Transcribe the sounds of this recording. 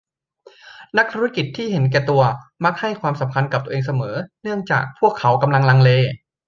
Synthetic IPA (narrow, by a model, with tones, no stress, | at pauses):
na˦˥k̚t̪ʰuː˧˥ɾa˦˥ki˨˩t̪ʰːiː˥˩he˩˦nk̬ɛː˨˩t̪u˧ɐma˦˥k̚ha˥˩jkʰwaː˧msa˩˦mkʰa˧ntka˨˩p̚t̪u˧ʔeː˧ŋs̬a˧mɤː˩˦nɯ˥˩əŋt͡ɕa̰ː˨˩k̚pʰu˥˩əkʰːa˩˦wka˧mla˧ŋla˧ŋleː˧